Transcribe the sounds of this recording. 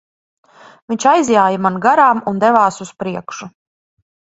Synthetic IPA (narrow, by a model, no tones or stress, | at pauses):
viɲt͡ʃajzjaːjamanɡaɾaːmund̪ɛvaːsuspɾiɛkʃu